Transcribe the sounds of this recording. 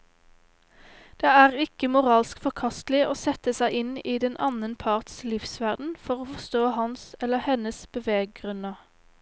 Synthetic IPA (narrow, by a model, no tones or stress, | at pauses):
d̪̥eːæːʁɪkəmʊʁɑːlskfɔʁkʰɑst̪lɪoːsɛt̪əsæɪʔɪniːd̪ɛnʔɑ̰nənpʰɑʁt̪slɪfsʋæʁd̪n̩fɔʁoːfɔʁst̪oːhɑnsɛləhɛnəsb̥əʋeːɡ̚ɡʁʉnəʁ